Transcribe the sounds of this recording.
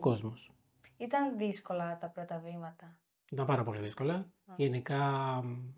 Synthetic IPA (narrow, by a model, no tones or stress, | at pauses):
ko̞zmos | it̪ɐnðisko̞lɐt̪ɐpɾot̪ɐvimɐt̪ɐ | it̪ɐmpɐɾɐpo̞liðisko̞lɐʝe̞nikɐ